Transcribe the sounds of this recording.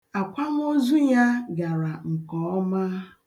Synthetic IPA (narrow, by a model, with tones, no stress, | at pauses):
a˨kʷa˦m˦o˦zu˦ja˦ɡa˨ɾa˨ŋ̩˨kɔ˨˦ɔ˦ma˦